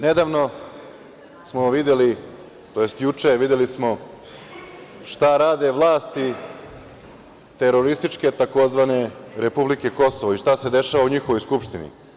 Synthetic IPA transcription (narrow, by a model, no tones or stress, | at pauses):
ned̪aːʋno̞ | smo̞ʋid̪jeli | t̪o̞je̞st̪jut͡ʂeʋid̪je̞lismo̞ | ʃt̪aɾaːd̪e̞ʋlˠaːst̪i | t̪e̞ɾo̞ɾist̪it͡ʂke̞t̪ako̞zʋane̞ɾe̞publike̞ko̞so̞ʋoiʃt̪ase̞d̪e̞ʃaʋauɲixo̞ʋojskupʃt̪inḭ